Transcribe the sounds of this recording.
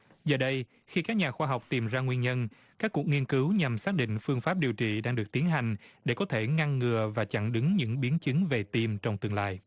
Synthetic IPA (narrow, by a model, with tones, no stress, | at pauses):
zəː˨˩ɗə˧j | xi˧kaː˦˥k̚ɲaː˨˩xwaː˧ɦa˨˩wk͡p̚t̪i˨˩mzaː˧ŋwi˧ənɲə˧n | kaː˦˥kːu˨˩ək̚ŋi˧ənkɨ˨˦wɲa˨˩msaː˦˥k̚ɗḭ̈˧˨ŋ̟fɨ˧əŋfaː˦˥p̚ɗi˨˩əwt͡ɕḭ˧˨ɗaː˧ŋɗɨ˨˩ək̚t̪i˨˦ənɦa˨˩jŋ̟ɗe˧˩kɔ˨˦t̪ʰe˧˩ŋa˧ŋːɨ˨˩əvaː˨˩t͡ɕa̰˧˩ŋɗɨ˨˦ŋɲɨ̰˧˥ŋɓi˨˦ənt͡ɕɨ˨˦ŋve˨˩t̪i˧mt͡ɕɔ˧wŋ͡mt̪ɨ˨˩əŋla̰ː˧˨j